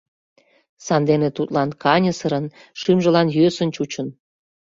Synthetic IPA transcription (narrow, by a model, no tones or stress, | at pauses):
sɑnd̪enet̪ut̪lɑnkɑnʲəsəɾənʃimʒə̆lɑnjøsənt͡ɕut͡ɕən